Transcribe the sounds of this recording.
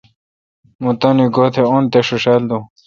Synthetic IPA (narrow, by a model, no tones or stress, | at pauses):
mut̪ɐniɡot̪ʰeont̪eʂuɕald̪u